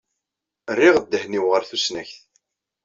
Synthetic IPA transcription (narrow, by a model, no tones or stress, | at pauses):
ərːɪʁəd̪ːəhniwʁəɾθusnæçθ